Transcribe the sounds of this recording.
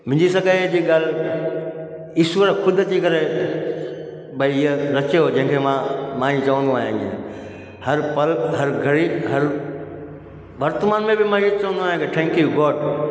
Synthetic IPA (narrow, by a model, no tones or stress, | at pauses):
m̤ɪ̃ɲd͡ʑisɐɡəd͡ʑiːɡaːl̤ | iːswʋəɾkʰʊd̪ʱt̪ikɐɾe | bɐiɪɦəɾɐt͡ʃeɦoːd͡ʑɐ̃ɦɪ̃kʰemãmãːit͡ɕɐʋə̃nd̪oaːɦjẽɡĩ | hɐɾpɐlɦɐɾɡʱɐɽiɦɐɾ | ʋɐɾt̪maːnmẽbɪmãit͡ʃɐʋə̃nd̪uaːɦjẽkɪʈʰɛ̃ːŋkiɡoːʈ